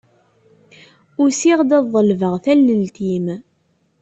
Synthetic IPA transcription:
ʊɾsiʁd̪æðˤəlvəʁθælːəlt̪im

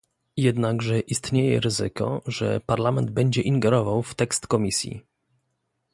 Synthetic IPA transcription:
jɛd̪naɡʐɛʔist̪ɲejɛ̰ɾɘzɘ̰kɔ̰ʐɛ̰paɾlamɛnd̪̚bɛɲd͡ʑɛʔiŋɡɛɾɔvawft̪ɛkst̪kɔmʲisʲjḭ

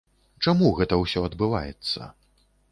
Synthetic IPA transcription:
t͡ʂamuɣɛt̪ɐwsʲɔɐd̪bɨva̰jɛt̪sːɐ̰

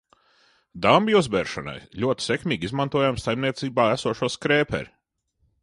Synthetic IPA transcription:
d̪ambʲiuzbɛːɾʃɔ̰na̰jlʲuɔt̪i̥sekmʲiːɡʲizmant̪uɔjamsajmnʲiɛt̪siːbaːæsuɔʃuɔskɾeːpɛ̰ɾʲ

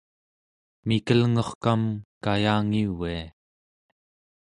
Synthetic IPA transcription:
mikəlŋʌχkamkajaːŋiwia

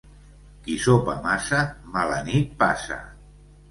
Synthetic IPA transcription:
kisopa̰masamalanit̪̚pa̰sa̰

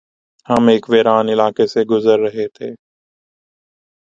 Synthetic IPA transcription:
həmeːkʋeːɾaːnɪlaːkeːseɡʊzəɾːəɦeːt̪ʰeː

